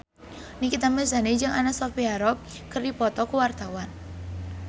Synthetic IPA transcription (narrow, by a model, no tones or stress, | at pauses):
nikit̪amɛsaned͡ʒɨŋʔanasɔfiaɾɔp̚ | kərdipɔt̪ɔkəwart̪awan